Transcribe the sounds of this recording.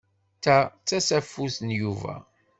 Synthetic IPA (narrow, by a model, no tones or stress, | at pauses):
t̪ːæt͡sːæsæfːusənjuvæ̰